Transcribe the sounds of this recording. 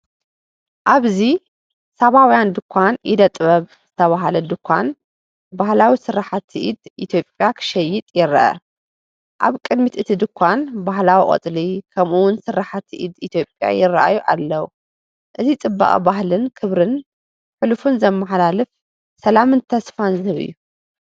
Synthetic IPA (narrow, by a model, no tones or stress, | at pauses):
ʔaβzi | saβawjand̪ɨkʷʰːanʔɪd̪ɐt̪ʼβɐβ | z̥ɨt̪ʰɐβaɦalɐd̪ɨkʷʰːan | bahlawisɨɾːaħat̪ʰːiʔid̪ʔit̪ʰjo̞pʼjakʰɨ̥ʃɐjːɪt̪ʼjɪɾɐʔɐ̰ | ʔa̰βkʼɨd̪mit̪ɨt̪ʰid̪ɨkʰʷːanbaɦlawiqʼɐ̰t͡sʼlikʰɐmuwʊnsɨɾaħat̪ʰːiʔid̪it̪ʰjo̞pʼja̰jɪrːa̰ʔa̰juʔa̰lːɐwu | ʔɨzit͡sʼɨbːɐ̰χʼḭbaɦlɨnkʰɨβɾɨn | ħɨlfunzɐmːaħlalɨf | sɐlamɨnt̪ʰɐsfanzɨhɨβɨ̰jːu